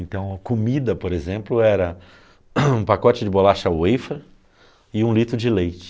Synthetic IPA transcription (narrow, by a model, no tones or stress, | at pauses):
ẽnt̪ɐ̃w̃ɐkomid̪ɐpoɾezẽmplʊɛɾɐ | ũpakɔt͡ʃɪd͡ʒɪbolaʃɐwejfɾɐ | ɪũlit̪ɾʊd͡ʒɪlejt͡ʃɪ̥